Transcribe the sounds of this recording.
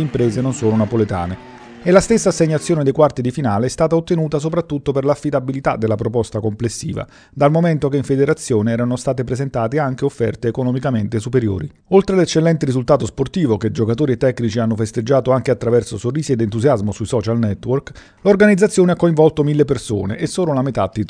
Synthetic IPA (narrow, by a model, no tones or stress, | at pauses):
impɾeːzenonsoːlonapolet̪a̰ːne | elast̪esːaːsːeɲːat̪sːjoːned̪ejkwart̪id̪ifinaːleɛst̪aːt̪aot̪ːenuːt̪as̬opɾat̪ːut̪ːoperlafːid̪abilit̪ad̪ːelːapɾopɔst̪akomplesːḭːva̰ | d̪almoment̪okeiɱfed̪eɾat̪sːjoːneɛːɾanost̪aːt̪epɾezent̪aːt̪eaŋk̟eofːɛrt̪eːkonɔmikament̪esupeɾjo̰ːɾi | olt̪ɾelet͡ʃːelːɛnt̪eɾizult̪aːt̪̬osport̪iːvoked͡ʒokat̪oːɾiet̪ːɛkːnit͡ʃianːofest̪ed͡ʒːaːt̪oaŋk̟eat̪ːɾavɛrsosorːiːsied̪ent̪uzjazmosuisɔːt͡ʃalnɛt̪ːwork | lorɡanid̪zːat̪sjoːneakːoiɱvɔlt̪omilːeperso̰ːnḛʔesːoːlolamet̪ad̪i